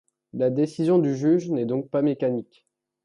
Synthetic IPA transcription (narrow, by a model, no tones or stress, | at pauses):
lad̪esizjɔ̃d̪yʒyʒnɛd̪ɔ̃k̚pamekanik